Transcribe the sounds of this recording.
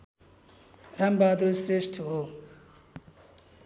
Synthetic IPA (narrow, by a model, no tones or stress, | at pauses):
rambad̪osresʈʰɦo